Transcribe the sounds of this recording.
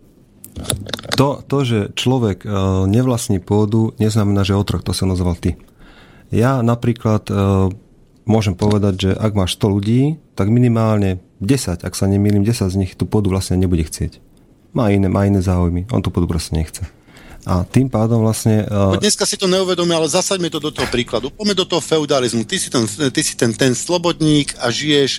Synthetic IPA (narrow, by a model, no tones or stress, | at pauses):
t̪ɔt̪ɔʒɛt͡ʃlɔʋɛɡɲɛʋlasɲiːpʊɔd̪uɲɛznamɛnaːʒɛɛɔt̪ɾ̩xt̪ɔsinɔzɔʋalt̪i | janapɾiːklat̪ | mʊɔʒɛmpɔʋɛd̪aɟʒɛʔaɡmaːʃst̪ɔluɟiːt̪aɡminimaːlɲɛ | ɟɛsaɟa̰ksaɲɛmiːliːmɟɛsaɟzɲixt̪uːpʊɔd̪uʋlasɲɛaɲɛbuɟɛxt͡sɪɛc | maːinɛːmʔaːinɛːzaːujmiɔ̰nt̪upɔːd̪upɾɔscɛɲɛxt͡sɛ | ʔat̪iːmpaːd̪ɔmʋlasɲɛɲɛskasit̪ɔɲɛuʋɛd̪ɔmialɛzasaɟmɛt̪ɔd̪ɔt̪ɔɦɔpɾiːklad̪upɔmɛd̪ɔt̪ɔɦɔfɛud̪alizmut̪isit̪ɛnt̪isi̥t̪ɛnt̪ɛnslɔbɔd̪ɲiːkʰaʒijɛʃ